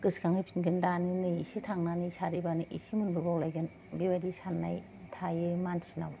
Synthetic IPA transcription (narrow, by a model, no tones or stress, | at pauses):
kɯskaŋipʰinɡɯndanɯnɯisitʰaŋnanisaɾibanɯʔisimunbɯbawlajɡɯn | biwadisanːa̰j | tʰajɯmansina̰w